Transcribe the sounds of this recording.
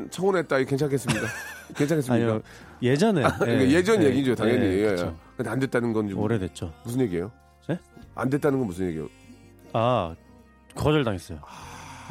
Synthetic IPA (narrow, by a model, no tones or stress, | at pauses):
nt͡ɕʰʌonet͈aikent͡ɕʰaŋkʰes͈ɯmɲik͈ake̞nt͡ɕʰakes̬͈ɯmɲik͈a | jed͡ʑʌneikaje̞d͡ʑʌnjeɡid͡ʑootaŋjʌɲejeɡiejkɯndeandet̚t͈anɯnɡʌnd͡ʑioɾedet̚t͡ɕ͈omus̬ʰɯnjeɡie̞jo | ea̰ndet͈anɯnɡʌnmusʰɯnɲje̞ɡḭjo̰ | a | kʌd͡ʑʌɭdaŋes͈ʌjoa